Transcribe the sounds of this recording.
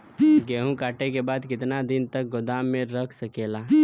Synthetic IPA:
ɡeɦũkaʈekebad̪kɪt̪nad̪int̪ək̚ɡod̪amːeɾəkʰsəkela

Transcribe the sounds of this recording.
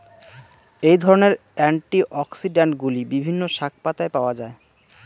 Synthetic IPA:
ejd̪ʱɔɾoneɾ | ɛɳʈiʔɔksiɖeɳʈɡulibibʱinːoʃak̚pat̪aepaoad͡ʑae

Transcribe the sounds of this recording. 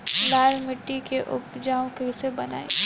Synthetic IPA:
laːlmɪʈːikeʔʊpd͡ʒaːõkɪsebɐna̰ːḭ

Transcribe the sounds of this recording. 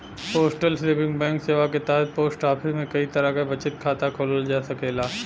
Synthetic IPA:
poːsʈəlsɾɪpɪ̃ŋɡbɛ̃ːŋkseːʋaket̪ɛːɦəd̪̚poːsʈaːpʰɪmẽkɐit̪ɐɾakabɐt͡ʃɪt̪̚kʰaːt̪akʰoːləld͡ʒaːsɐkeːlaː

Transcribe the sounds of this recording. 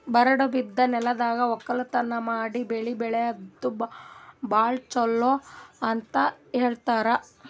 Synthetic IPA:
bɐɾɐɽobid̪ːɐnɛlɐd̪aːɡɐɔkːɐlɐt̪ɐnːɐmaːɽibeɭibɛɭeɐd̪ːu | baːɭt͡ʃɔlːoɐnt̪ɐɦeːɭt̪aːɾɐ

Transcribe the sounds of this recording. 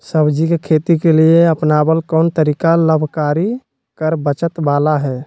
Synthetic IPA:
səbd͡ʒikekʰeːt̪ikelieəpnaːbəlkɔːnt̪əɾiːkaləbʱkaːɾi | kəɾbət͡ʃət̪baːlaɦɛː

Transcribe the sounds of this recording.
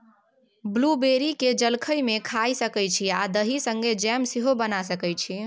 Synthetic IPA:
blubeɾiked͡ʒəlkʰəjmekʰajsəkəjt͡ʃʰiad̪əɦisəŋɡed͡ʒɛmsiɦobənasəkəjt͡ʃʰi

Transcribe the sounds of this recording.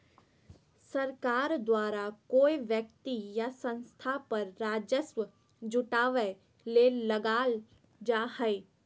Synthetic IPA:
sɐɾkaːɾd̪waːɾakoːiʋjək̚t̪ijasə̃nst̪ʰapɐɾːaːd͡ʒəsʋə | d͡ʒʊʈaːʋə | leləɡaːl | d͡ʒahɛe

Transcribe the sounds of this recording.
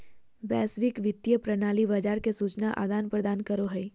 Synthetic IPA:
bɛːsʋɪkʋɪt̪ːjəpɾɐnaːlibad͡ʒaːɾkesuːt͡ʃnaʔa̰ɡ̪aːnpɾəd̪aːnkəɾoɦɛi

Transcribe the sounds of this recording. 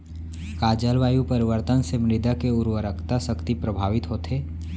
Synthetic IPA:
kaːd͡ʒəlʋaːjupɐɾɪʋəɾt̪ənsemɾɪd̪akeʊɾwəɾəkʰt̪asəkt̪ipɾɐbʱaːʋɪt̪ɦoːt̪ɦeː

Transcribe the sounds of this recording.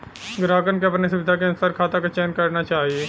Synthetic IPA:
ɡɾaːkənkeɐpnesʊʋɪd̪ʱakeɐnsaɾkʰaːt̪akat͡ʃɛːnkɐɾnat͡ʃaːɦieː

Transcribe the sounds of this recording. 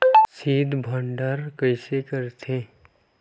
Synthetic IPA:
siːd̪ʱbʱəɳɖəɾkəɪsekəɾt̪ʰẽ

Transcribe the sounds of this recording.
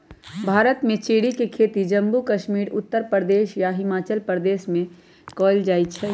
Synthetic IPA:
bʱaːɾət̪mẽt͡ʃeːɽikekʰeːt̪id͡ʒɐ̃mbukəʃmiːɾʊt̪ːəɾpɾɾəd̪eːʃjaɦɪmaːt͡ʃəlpɾəd̪eːʃmẽ | kɔːld͡ʒaːit͡ʃʰɛ

